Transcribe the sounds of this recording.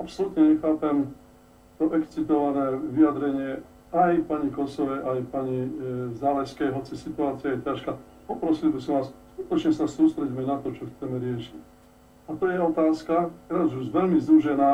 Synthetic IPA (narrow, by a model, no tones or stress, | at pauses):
apsɔlut̪ɲɛɲɛxaːpɛm | t̪ɔʔɛkt͡sit̪ɔʋanɛːʋiad̪ɾɛɲɪɛ | ajpaɲikɔsɔʋɛjʔajpaɲizaːʋɛskɛjɦɔt͡sisit̪uaːt͡siɪajɛcaʃka | pɔpɾɔsilbisɔmʋaːsskut̪ɔt͡ʃɲɛsasuːst̪ɾɛɟmɛnat̪ɔt͡ʃɔxt͡sɛmɛɾɪɛʃic | at̪ɔjɛɔt̪aːskat̪ɛɾaːzuʒʋɛlmizd̪uʒɛnaː